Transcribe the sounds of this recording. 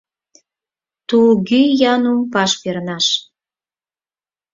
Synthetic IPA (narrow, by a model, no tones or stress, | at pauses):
t̪uɣyjɑnumpɑʃpernɑʃ